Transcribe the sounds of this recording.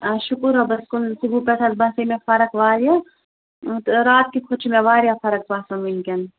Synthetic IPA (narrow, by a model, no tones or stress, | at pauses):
ʃʊkɾobɐskʊnsubʱupɛʈʰɐzbaːsɐmẽfʰɐɾəkʋaːɾja | t̪ɾaːt̪̚kikʰʊt͡ʃʰmẽʋaːɾijapʰɐɾɐkʋaːsɐminkɐn